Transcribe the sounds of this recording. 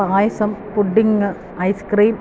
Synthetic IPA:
aːjɐsɐmpuɖːiŋɨ | ɐjskriːn

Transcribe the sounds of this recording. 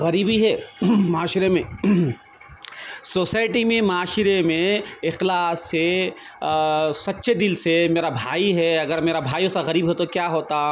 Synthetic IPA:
ɣɐɾiːbiɦɛːmaːʃɾemẽ | soːsaːɪʈimẽmɐaːʃɾemẽɪxlaːse | sɐt̪ːʃʰed̪ɪlsemeːɾabʱaːiɦɛɐɡəɾmeːɾabʱaːjõsaɣɐɾiːbɦɛt̪okjaːɦoːt̪a

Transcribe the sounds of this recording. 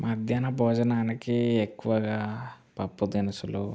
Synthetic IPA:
mɐd̪ʱjanɐbɔːd͡ʒɐnaːnikiekːuʋɐɡaː | pɐpːud̪inɐsuloː

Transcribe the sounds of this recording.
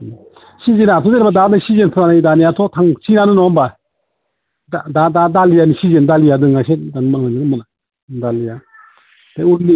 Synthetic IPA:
sizenatʰɔeɾbadanasizenpʰɾanajdanijatʰɔtʰaŋsinanɯnɔmba | dadadadalijanisizendalijadɯŋaset̚danmak̚naniɡɯmɯna | dalija | d̥auɾli

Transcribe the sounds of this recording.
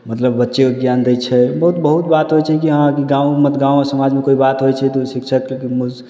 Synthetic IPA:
mət̪ləbːətːʃekoɡjaːnd̪ət͡ʃʰɛbəɦut̪̚bəɦut̪̚baːt̪ɦojt͡ʃʰɛkiɦəãkiɡãumət̪ɡãːuɔsəmad͡ʒmẽkoibat̪ɦojt͡ʃʰɛt̪osikʃʰəkkimʊd͡ʒ

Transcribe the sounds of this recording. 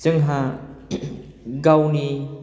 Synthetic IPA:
zɯŋɦa | ɡawni

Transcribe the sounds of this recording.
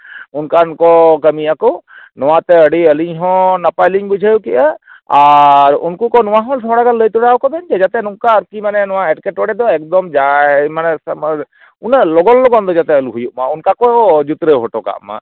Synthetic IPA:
unkankɔkəmijakɔnɔwat̪ɛəɽiəliɲɦɔ̃napajliŋbud͡ʒʱajukiʔa | aɾṵnkukɔnɔwaɦɔ̃lsɔɽaɡallːəjt̪uɽawkɔbɛnd͡ʒɛd͡ʒat̪ɛnũŋkaəɾkimanɛnɔwãɛʈkɛʈɔɽɛd̪ɔɛk̚d̪ɔmd͡ʒamanɛsm | unalɔɡɔlːɔɡɔnd̪ɔd͡ʒat̪ɛəluɦujuʔmaunkakɔd͡ʒut̪ɾəɦɔʈɔka̰ʔma̰

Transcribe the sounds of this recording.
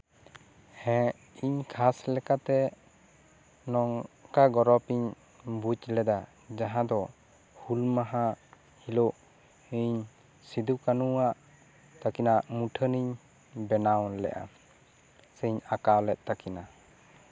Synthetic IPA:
hɛ̃ | iɲkʰaslɛkat̪ɛ | nɔŋkaɡɔɾɔpiɲ | but͡ʃlɛd̪a | d͡ʒaɦãd̪ɔ | hulmaɦa | hiloʔ | iɲ | sid̪ukanuaʔ | t̪akinaʔmuʈʰəniɲ | bɛnawlɛ̰ʔa̰ | səɲakawlɛt̪̚ˀt̪akina

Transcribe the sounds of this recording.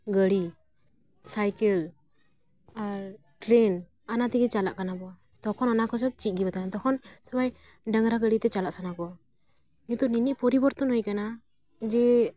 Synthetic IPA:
ɡəɽi | sajkəl | a | ʈɾen | anat̪ɛkɛt͡ʃalaʔkanabɔa | t̪ɔkʰɔnɔnakɔs̬ɔt͡ʃit̪̚ˀɡibat̪anat̪ɔkʰɔnsɔbaj | ɖəŋɾaɡəɽit̪ɛt͡ʃalaʔsanakɔ | ut̪ɔniniʔpɔɾibɔɾt̪ɔnɦɔjkana | d͡ʒɛ

